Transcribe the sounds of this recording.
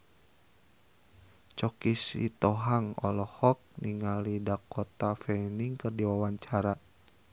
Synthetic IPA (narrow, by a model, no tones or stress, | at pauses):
t͡ʃɔkisḭt̪ɔɦaŋɔ̰lɔhɔk̚niŋalidakɔt̪afɛniŋkɨrdiwawaɲt͡ʃaɾa